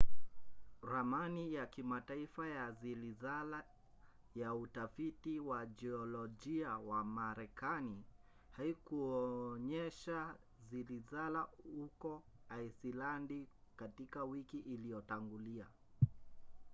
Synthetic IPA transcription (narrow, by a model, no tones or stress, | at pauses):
ɾamanijakimataifajazilizala | jautafitiwad͡ʒɛɔlɔd͡ʒiawamaɾɛkani | haikuɔɲɛʃa | zilizalahukɔ | aisilandikatikawikiʔːlijɔtaŋɡulia̰